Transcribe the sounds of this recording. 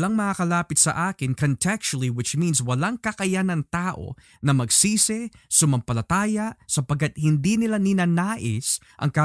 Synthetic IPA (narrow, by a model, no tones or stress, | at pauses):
laŋmɐŋakɐlaːpɪt̪sɐ̰ʔaːkɪnkont̪ʰɛk̚t͡ʃɐliwɪt͡ʃminswɐlaŋkɐkɐjanɐŋt̪aːʔo̞̰ | nɐmɐɡsiːsɛsʊmɐmpɐlɐt̪aːjɐʔsɐpɐɡ̚kːɐt̪̚hɪnd̪inɪlanɪnaːnaːʔɪ̰s | ʔɐ̰ŋka